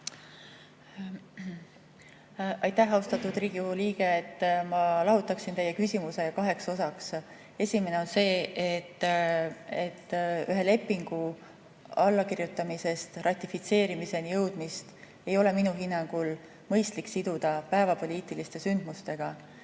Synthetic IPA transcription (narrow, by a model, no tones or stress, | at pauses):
ɑjt̪ːæɦːɑust̪ɑt̪ːud̪riːɡ̥ijuliːɡ̥e̞ːt̪ːmɑlɑɦut̪ːˑɑksint̪e̞jːe̞kysʲimuse̞jɑkɑɦe̞kso̞sɑks | e̞sʲime̞ne̞o̞nse̞ːet̪ː | et̪ːyɦe̞le̞pːˑiŋɡ̥u | ɑlːɑkiɾjut̪ːˑɑmise̞st̪rɑt̪ʲˑːifit̪se̞ːɾimise̞nijɤwd̪̥mist̪ | e̞jo̞le̞minuɦinːɑŋɡ̥ul | mɤjst̪liksid̪̥ud̪̥ɑpæevɑpo̞lʲiːt̪ːˑilist̪e̞synd̪̥must̪e̞ɡ̥ɑ